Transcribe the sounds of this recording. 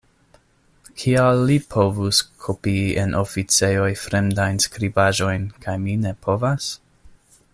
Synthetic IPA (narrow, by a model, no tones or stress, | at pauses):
kʰialːipʰo̞vuskʰopienʔofit͡se̞jo̞jfɾe̞mdajnskɾibaʒo̞jnkʰajmine̞pʰo̞vas